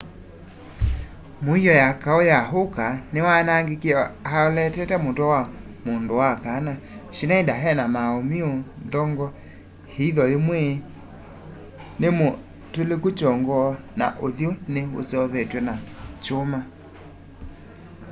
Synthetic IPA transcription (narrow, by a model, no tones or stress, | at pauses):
moiɔjakaojaɦokanewanaŋɡekeɔhaɔlɛtɛtɛmotɔwa | mondowakanaʃinaindaɦɛnamaomioðɔŋɡɔ | heiðɔemwe | nemo | telekot͡ʃɔŋɡɔ | na̰ʔoðjoneo̰sɔðɛtwɛnat͡ʃoma